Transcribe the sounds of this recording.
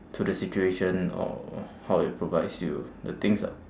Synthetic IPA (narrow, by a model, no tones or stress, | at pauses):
tʰudəsit͡ʃueʃə̃nɔ̰hawɪt̚pʰɹovaɪdsjudət̪ɪ̃ŋsa̰